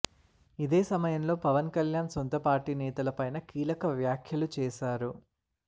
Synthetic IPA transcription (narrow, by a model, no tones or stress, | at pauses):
id̪eːsɐmɐjɐmlo̞ːpɐʋɐnkɐljaːnsont̪ɐpaːɾʈiːnɛːt̪ɐlɐpɐjnɐkiːlɐkɐʋjaːkʰjɐlut͡ʃɛːʃaːɾu